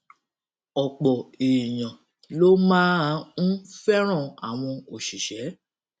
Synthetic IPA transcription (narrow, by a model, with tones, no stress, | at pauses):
ɔ˨k͡pɔ˨e˨i˨j̃ã˨ | lo˦mãː˦˧ñ̩˦fɛ˦ɾ̃ã˦˨a˨w̃ɔ̃˧o˨ʃi˨ʃɛ˨˦